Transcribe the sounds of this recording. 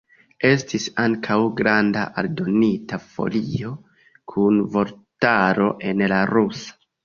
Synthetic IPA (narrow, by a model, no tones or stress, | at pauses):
e̞stʰisaŋkʰawɡɾandaʔaldo̞nitafo̞̰lio̞ | kʰunvo̞ɾtaɾo̞ʔe̞nlaɾusḁ